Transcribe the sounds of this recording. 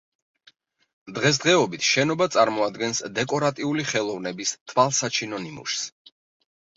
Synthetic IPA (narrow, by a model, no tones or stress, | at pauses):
d̪ʁɛs̬d̪ʁɛɔbit̪ʰʃɛnɔbat̪sʼaɾmɔad̪ɡɛnsd̪ɛkʼɔɾat̪ʼiuliχɛlˠɔvnɛbist̪ʰwalˠsat͡ʃʰinɔnimṵʃs